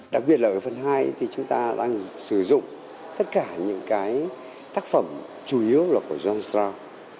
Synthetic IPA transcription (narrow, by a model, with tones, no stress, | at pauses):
ɗa˨˩k̚ɓi˨˩ət̚laː˨˩kːəː˨˦fə˨˩nɦaː˧jt̪ʰi˨˩t͡ɕʊ˨˦ŋ͡mt̪aː˧ɗa̰ː˧ŋsɨ˧˩zʊ̰˧˨ŋ͡m | t̪ə˦˥t̚kaː˧˩ɲɨ̰˧˥ŋkaː˨˦j | t̪aː˦˥k̚fə˧˩m | t͡ɕu˧ʔi˨˦əwlaː˨˩ku˧˩əzwaː˧nsaː˧w